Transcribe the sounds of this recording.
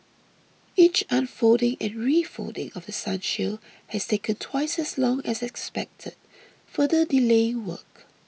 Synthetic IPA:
it͡ʃãnfodɪ̃ŋɛ̃nɹifo̰ldɪ̰̃ŋɔvdəsãnʃil | hɛstʰekə̃ntʰwaɪsɛslɔ̃ŋɛsɛkspɛk̚tʰəd̥̚ | fədədileɪ̃ŋwə̰k

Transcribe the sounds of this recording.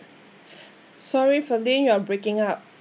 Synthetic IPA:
sɔɹifɔdɛ̃njuabɹekɪ̃ŋap̚

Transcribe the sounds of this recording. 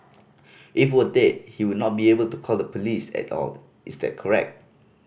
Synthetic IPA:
ʔifwədet̚hiwudnɔt̚biebəltukʰɔlˠdəpʰolisɛ̰tɔ̰l | isdɛ̰t̚kʰɔɹɛ̰k̚t̚

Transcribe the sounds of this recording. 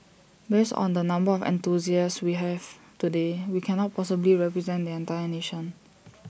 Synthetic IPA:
besɔ̰̃ndənãmbəɔfɛ̰̃nt̪uziəswiɦɛv | tudewikʰɛ̃nɔt̚pʰɔsəbliɹɛpɹɛzɛ̃ndiɛ̃ntajəneʃə̃n

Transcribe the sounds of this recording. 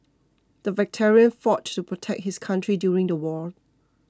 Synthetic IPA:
d̥əvɛk̚tʰɛɹiə̃nfɔttːupʰɹɔtʰɛk̚t̚hɪskʰãntʰɹidjuːɹɪ̃ŋdəwɔl

